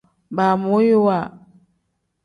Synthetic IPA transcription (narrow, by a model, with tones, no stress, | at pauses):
ba˨mo˦ji˦wa˨